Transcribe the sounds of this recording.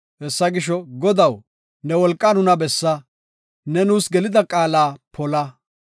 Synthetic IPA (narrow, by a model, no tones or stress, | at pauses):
hɛsːɐɡɪʃɔɡɔd̪ɐw | nɛwɔlkʼːɐnʊnɐbɛsːɐ | nɛnuːsɡɛlɪd̪ɐkʼaːlaːpʰɔlɐ